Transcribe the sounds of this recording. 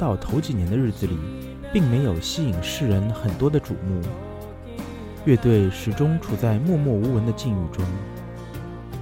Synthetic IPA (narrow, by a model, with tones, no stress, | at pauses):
t̪ɑ˥˩ʊt̪ʰo˧˥ʊt͡ɕi˨˩njɛ˧˥nd̪ə˧ɻ̩˥˩d͡zɹ̩˩li˨˩ | pi˥˩ŋme˧˥ɪjo˨˩ʊɕi˥i˨˩ŋʂɻ̩˥˩ɻə˧˥nxə˨˩nt̪wɔ˥d̪ə˧ʈ͡ʂṵ˨˩mu˥˩ | ɥɛ˥˧t̪we˥˩ɪʂɻ̩˨˩ʈ͡ʂʊ˥ŋʈ͡ʂʰu˨˩t͡sa˥˧ɪmwɔ˥˧mwɔ˥˩u˧˥wə˧˥nd̪ə˧t͡ɕi˥˧nu˥˩ʈ͡ʂʊ˥ŋ